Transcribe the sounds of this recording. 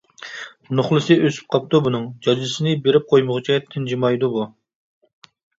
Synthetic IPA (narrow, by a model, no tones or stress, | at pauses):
noχlˠɨsɨøsy̥p̚qʰɑp̚t̪ubunɨŋd͡ʒɑd͡ʒlɪsɨnɪbeɾɪp̚qʰojmʊʁɨt͡ʃʰit̪ʰɪnd͡ʒimɑjd̪ubu